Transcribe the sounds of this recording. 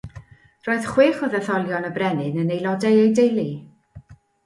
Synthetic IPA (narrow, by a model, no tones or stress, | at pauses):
r̥oːɨð̥χweːχɔðɛθɔlˠjɔnəbrɛnɨnənejlˠɔdɛejdejlˠi